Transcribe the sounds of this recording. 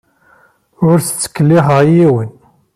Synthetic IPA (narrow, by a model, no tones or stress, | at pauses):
ʊɾθə̥t͡sːə̥kːəlːiɦəʁjiwən